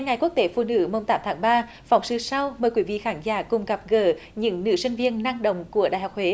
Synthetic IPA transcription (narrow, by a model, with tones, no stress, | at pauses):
ŋa˨˩jku˦˥k̚t̪e˨˦fṵ˧˩nɨ̰˧˥mo˧wŋ͡mt̪aː˨˦mt̪ʰaː˨˦ŋɓaː˧ | fa˨˦wŋ͡msɨ˧˩sa˧wməː˨˩jkwi˧˩˦vḭ˧˨xaː˨˦ŋzaː˧˩˦kʊ˨˩ŋ͡mɣa˨˩p̚ɣəː˧˩ɲɨ̰˧˥ŋnɨ̰˧˥sï˧ŋ̟vi˧ənːa˧ŋɗə̰˧˨wŋ͡mku˧˩əɗaː˧˨jɦa˨˩k͡p̚hwe˨˦